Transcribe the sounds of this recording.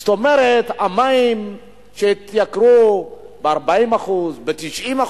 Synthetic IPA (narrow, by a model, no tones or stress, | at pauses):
t̪omeɾet̪amaim | ʃet̪jakɾubeaʁbaimaχuzbet̪iʃima